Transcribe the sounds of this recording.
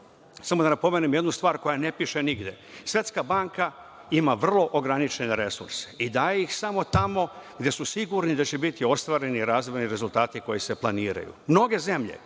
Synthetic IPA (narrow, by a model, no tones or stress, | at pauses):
samo̞d̪anapo̞meːnimje̞d̪nust̪ʋaːɾko̞jane̞piʃe̞niɡd̪je̞ | sʋʲe̞t̪skabaŋka | imaʋr̩lˠo̞ʔoɡɾanit͡ʃe̞ne̞ɾe̞suɾse̞̥id̪aːjeixsamo̞t̪amo̞ɡd̪je̞susiɡuɾnid̪at͡ɕebit̪io̞st̪ʋaːɾe̞niɾaːzʋojniɾe̞zulˠt̪aːt̪iko̞jise̞plˠaniːɾa̰jṵmno̞ɡe̞ze̞mʎe̞̰